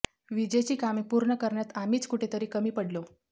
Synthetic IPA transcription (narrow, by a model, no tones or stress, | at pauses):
ʋid͡ʑet͡ɕiːkamipuɾɳəkəɾɳjat̪amiːt͡skuʈʰet̪əɾiːkəmiːpəɽlo